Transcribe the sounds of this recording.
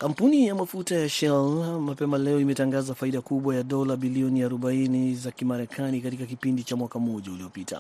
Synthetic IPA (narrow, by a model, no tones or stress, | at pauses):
kam̩punijamafutajaʃɛlmapɛmalɛɔimɛtaŋɡazafaiɗakuɓwajaɗɔlaɓiliɔniaɾɔɓainizakimaɾɛkʰanikatikakipindit͡ʃamwakam̩ɔʄaulijɔpita̰